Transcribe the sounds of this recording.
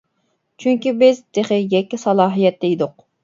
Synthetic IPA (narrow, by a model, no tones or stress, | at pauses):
t͡ʃʰyŋkʲibɪzd̪eχɪjɛkʲːisɑlˠɑːɦijɛt̪ʰːɛid̪ʊq